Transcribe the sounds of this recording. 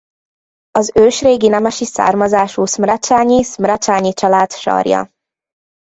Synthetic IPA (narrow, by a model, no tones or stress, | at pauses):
ɒzøːʃreːɡinɛmɛʃisa̰ːrmɒzaːʃuːsmrɛt͡ʃaːɲismrɒt͡ʃaːɲit͡ʃɒlaːt̪ʃɒ̰rjɒ̰